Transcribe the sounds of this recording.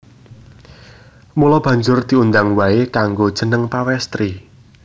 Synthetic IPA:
mulɔb̥ä̤ɲd͡ʒʊrd̪̥i̤und̪aŋwaekaŋɡod̥ʒ̥ə̤nəŋpawɛst̪ɾi

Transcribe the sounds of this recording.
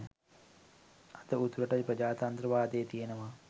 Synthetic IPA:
at̪əut̪ɾəʈajprəd͡ʒaːt̪ant̪ɾəʋaːd̪ejːt̪ijenəʋa

